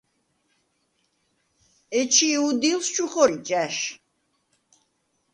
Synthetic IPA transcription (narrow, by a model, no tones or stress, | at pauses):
ɛt͡ʃʰiud̪ilst͡ʃʰuχɔlit͡ʃʼæʃ